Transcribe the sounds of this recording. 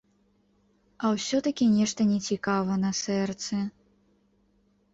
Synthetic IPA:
ɐwsʲɔt̪ɐkʲinʲɛʂt̪ɐnʲɛt͡sʲikavɐnɐsɛrt̪sɛ

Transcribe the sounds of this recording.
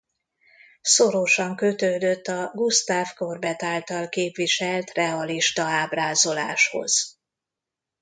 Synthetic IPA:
soɾoʃɒŋkøt̪øːd̪øt̪ːɒɡust̪aːvkorbɛt̪aːlt̪ɒlkeːpviʃɛlt̪rɛɒliʃt̪ɒaːbraːzo̞la̰ːʃho̞̰z̥

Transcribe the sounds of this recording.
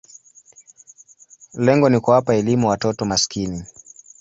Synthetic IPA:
lɛŋɡɔnikuwapaɛlimuwatɔtɔmaskini

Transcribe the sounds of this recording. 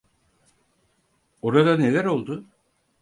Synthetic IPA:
oɾad̪ane̞lʲæɾo̞lˠd̪ʊ

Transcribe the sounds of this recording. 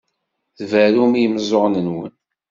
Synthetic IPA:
ðvæɾumijəmzˤoʁnənwə̰n

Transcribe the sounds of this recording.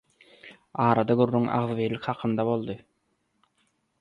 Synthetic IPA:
ɑːɾɑd̪ɑɡyɾːyŋʔɑ̰ʁðβejlʲikʲhɑqʰɯnd̪ɑβo̞lˠd̪ɯ

